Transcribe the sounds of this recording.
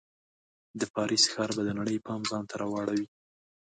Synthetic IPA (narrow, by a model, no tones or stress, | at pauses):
d̪əpɑɾisxɑɾbad̪ənaɽəjpɑmzɑnt̪ʰaɾɑwɑɽawi